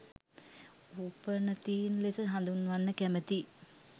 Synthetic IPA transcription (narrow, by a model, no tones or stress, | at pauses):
upənət̪iːnlesəɦand̪unːʋanːəkæmət̪i